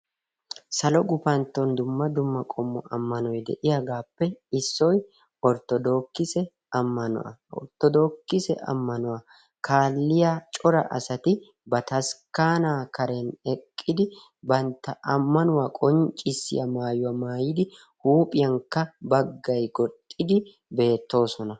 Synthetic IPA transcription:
sɐlɔɡʊfɐnt̪ːɔnd̪ʊmːɐd̪ʊmːɐkʼɔmːɔʔɐmːɐnɔjd̪ɛ̰ʔɪjɐɡaːpːɛɪsːɔj | ɔɾt̪ɔd̪oːkːɪsɛ | ɐmːɐnʊ̰ʔɐ̰ɔ̰ɾt̪ːɔd̪oːkːɪsɛ̰ʔɐ̰mːɐnʊɐ | kʰaːlːɪjat͡ʃʼɔɾɐ̰ʔɐ̰sɐt̪ɪ | bɐt̪ɐskaːnaːkɐɾɛnɛkʼːɪd̪ɪ | bɐnt̪ːɐʔɐmːɐnʊwakʼɔnt͡ʃʼːɪsːɪ̰jɐmaːjʊwɐmaːjɪd̪ɪ | huːpʼɪjɐŋkːɐbɐɡːɐjɡɔt̪ʼːɪd̪ɪ | be̞ːt̪ːo̞ːsɔnɐ

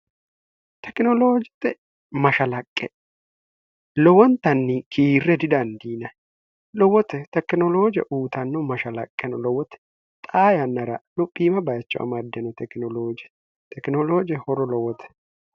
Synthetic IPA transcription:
t̪ʰɛkɪnɔloːd͡ʒɪt̪ːɛ | mɐʃɐlɐkʼːɛ | lɔwɔnt̪ɐnːɪkʰiːrːɛd̪ɪd̪ɐnd̪iːnɐ | lɔwɔt̪ɛt̪ɛkɪnɔlo̞ːd͡ʒɛ̰ʔuːt̪ɐnːɔmɐʃɐlɐ̰kʼːɛnʊlɔwɔt̪ɛ̥ | t̪ʼaːjɐnːɐɾɐlʊpʼːiːmɐbɐjɐt͡ʃːʊʔɐ̰mɐd̪ːɛnɔt̪ɛknɔloːd͡ʒɛ | t̪ʰɛknɔloːd͡ʒɛhɔɾɔlɔwɔt̪ʰɛ̥

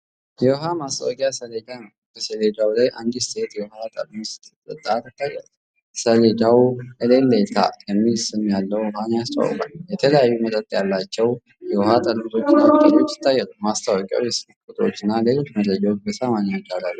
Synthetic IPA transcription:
jɛwɦamast̪ʰʼawkʼjasəled̪an | bəsəled̪awlajʔand̪ist̪ʰe̞t̪jɛwhat̪ʼəlst̪t̪ʼət̪ʼːat̪t̪ʰːajːɛ | səled̪awʔəlelːelt̪ʰa̰jəmːilsɨmjalːəwhanast̪ʼa̰w̰kʼa̰ljɛt̪ʰələjajːumət̪ʼət̪ʼjalːat͡ʃːɛw | jɛwhat̪ʼəlkt̪ʼo̞t͡ʃt͡ʃːɪnːat̪ʼaɲːo̞t͡ʃːɪ̥t̪ʰːajːɛlumast̪ʰawɔkʼja̰wjɛsɨɾɨkʼːut̪ʼo̞̰t͡ʃːɨnːale̞lo̞t͡ʃːməd̪ɾəd͡ʒawot͡ʃbəsamaɲad͡ʒalalːu

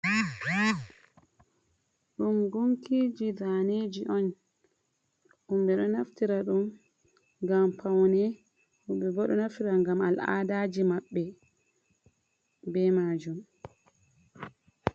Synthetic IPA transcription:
ɗumɡuŋkid͡ʒidaned͡ʒiʔɔn | ʔumɓɛɗɔnaftiɾaɗum | ŋɡampʰawnɛ | huɓɛbɔɗɔnaftiɾaŋɡama̰la̰daːd͡ʒimaɓːɛ | bɛmaːd͡ʒum

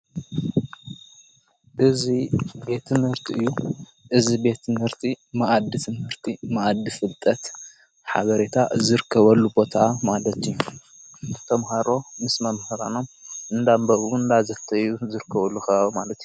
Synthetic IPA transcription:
ʔɨzibe̞t̪ʰːɨmhɨɾt̪ʰiʔɨjːu | ʔɨzibe̞t̪ɨmhɨɾt̪ʰimaʔad̪ːit̪ʰɨmhɨɾt̪ʰimaʔad̪ːifɨlt̪ʼɐt̪ | ħa̰βɐɾe̞t̪ʰazɨɾɨkʰːɐβɐlːubo̞t̪ʰamalɐt̪ju | t̪ʰɐmɦaɾo̞mɨsmɐmhɨɾano̞mɨnd̪ambɐʔuɨnd̪azɐt̪ʰːɐjːuzɨɾɨkʰːɐβɐlːuxɐβaβmalɐt̪ju

